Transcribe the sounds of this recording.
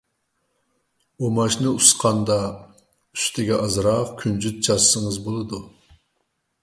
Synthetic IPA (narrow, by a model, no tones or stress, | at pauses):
omɑʃnɨusqʰɑnd̪ɑ | y̥st̪ʰɪɡʲɛʔɑzɾɑqkʲʰynd͡ʒyt̪̚t͡ʃʰɑssəŋəzbolˠɨd̪u